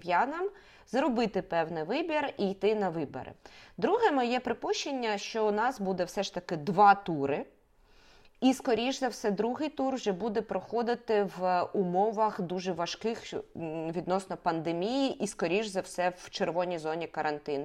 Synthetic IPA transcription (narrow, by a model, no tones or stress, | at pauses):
jɑnɐm | zɾɔbɪt̪ɪpɛwnɪʋɪbʲirijt̪ɪnɐʋɪbɐ̰ɾɪ̰d̪ɾuɦɛmɪjɛpɾɪpuʃt͡ʃenʲːɐʃt͡ʃɔʊnɑsbud̪ɛwsɛʃt̪ɐkɪd̪ʋɑt̪uɾɪ | iskɔɾʲiʒzɐwsɛd̪ɾuɦɪjt̪urwʒɛbud̪ɛpɾɔxɔd̪ɪt̪ɪʋʊmɔʋɐxd̪uʒɛʋɐʃkɪxʋʲid̪nɔsnɔpɐnd̪emʲijiʔiskɔɾʲiʒzɐwsɛwt͡ʃeɾʋɔnʲijzɔnʲikɐɾʔɐnt̪ɪn